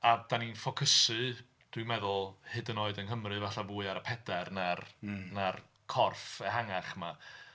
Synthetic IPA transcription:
ad̥aninfɔkʰəsɨ | d̥wɨmɛðʊlˠhɨdənoːɨdənɦəmrɨvaɬavuːɨaɾəpʰɛdɛrnarnar | kʰɔrfɛɦaŋaχma

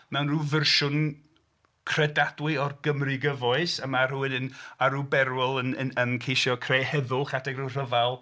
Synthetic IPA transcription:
mɛwnruːvərʃʊn | kʰr̥ɛdadwɪɔrɡəmriɡəvɔɨsəmar̥uɪnənaɾubɛɾwɪlˠənənənkʰejʃjɔkʰrejhɛðʊlˠχadɛɡrur̥əvalˠ

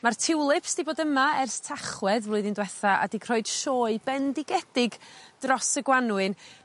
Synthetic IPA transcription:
martʰɪwlˠɪpsd̥iboːdəmaɛrθtʰaχwɛðvlˠʊɨðɪndwɛθaʔa̰dikʰr̥ɔɨd̥ʃoːɨbɛndɪɡɛd̥ɪɡd̥rɔsəɡwanwɨn

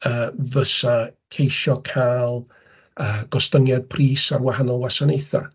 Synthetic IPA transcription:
əːvəsakʰejʃɔkʰajlˠ | əːɡ̥ɔstəŋjad̥̚pʰriːsarwahanɔlˠwasanejθa̰

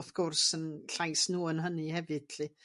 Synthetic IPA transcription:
fkʰʊrsənɬajsnuːənɦənɨhɛvɨd̥ɬi

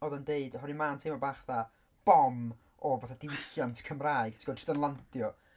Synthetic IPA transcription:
ɔːðəndeɨdɦɔɾimaːntʰemɔbaːχða | b̥ɔm | ɔvaθadɪwɪɬjantʰkʰəmraːɨɡ̥tʰi̥ɡɔdrɪdənlˠantʰjɔ

